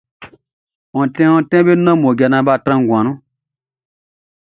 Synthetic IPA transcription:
ɔ̃˨tɛ̃˦ɔ̃˧˦tɛ̃˦be˦nɔ̃˦mõ˨ɡɛ˧nã˧ba˦˨tɾã˦ŋ˨ɡã˨nũ˦

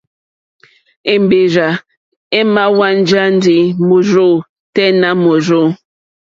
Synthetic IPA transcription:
e˨m˨be˨ɾa˨ | e˦ma˦wa˦n̩˦d͡ʒa˦n˦di˨mo˨ɾo˦˨ | tɛ˦na˦mo˨ɾo˦˨

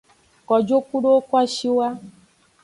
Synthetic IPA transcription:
kɔ˨d͡ʒo˦ku˦ɖo˦o˦kwa˦ʃi˦wa˦

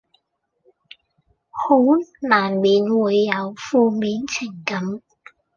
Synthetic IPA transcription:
ho˨˥wnaː˨˩nmiː˨˧nwuː˨˧jːɐ˨˧wfuː˧miː˨˥nt͡sʰɪ˨˩ŋkɐ˨˥m

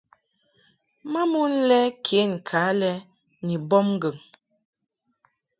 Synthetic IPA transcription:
ma˦mu˦n˦lɛ˦kʰe˨˦˨ŋ̩˨kʰaː˨˦lɛ˦ | ni˨bɔ˦mŋ˦ɡə˨ŋ

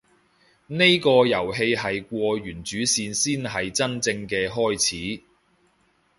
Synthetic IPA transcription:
ne˥jkɔː˧jɐ˨˩wɦe˧jɦɐ˨jkʷɔː˧ɥyː˨˩nt͡ʃyː˨˥siː˧nsiː˥nɦɐ˨jt͡sɐ˥nt͡sɪ˧ŋkɛː˧ɦɔː˥jt͡sʰiː˨˥

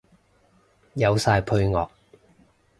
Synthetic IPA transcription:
jɐ˨˧wsaː˧jpʰɵ˧ɥŋɔː˨k̚

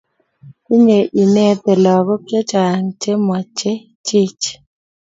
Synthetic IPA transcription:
i˦ɲe˨ʔi˨ne˦t̪ɛ˨lɔ˨ɡɔ˦kje˦t͡ʃa˨ŋt͡ʃe˦mɔ˨t͡ʃe˦ | t͡ʃi˦t͡ʃ

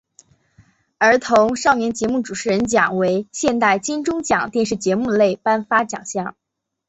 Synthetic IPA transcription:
ə˞˧˥t̪ʰʊ˧˥ŋʂɑ˥˩ʊnjɛ˧˥nt͡ɕjɛ˧˥mu˥˩ʈ͡ʂu˨˩ʂɻ̩˥˩ɻə˧˥nt͡ɕjɑ˨˩ŋwe˧˥ɪɕjɛ˥˧nt̪a˥˩ɪt͡ɕi˥nʈ͡ʂʊ˥ŋt͡ɕjɑ̰˨˩˦ŋt̪jɛ˥˧nʂ̬ɻ̩˥˩t͡ɕjɛ˧˥mu˥˩d̪ə˩le˥˩ɪpa˥nfa˥t͡ɕjɑ̰˨˩ŋɕjɑ˥˩ŋ

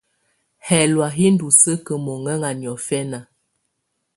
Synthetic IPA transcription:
hɛ˨lwa˨ɦi˦n˦du˨sə˦kə˨mɔ˨ŋə˦ŋa˨njɔ˨fɛ˦na˨

